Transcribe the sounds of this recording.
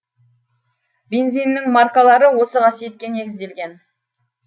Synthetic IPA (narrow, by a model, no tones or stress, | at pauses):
be̞nzijnːɪŋmɑrkalˠɑɾəwo̞səʁɑsijet̪̚kʲe̞ne̞ɡʲɪzd̪e̞lɡʲe̞n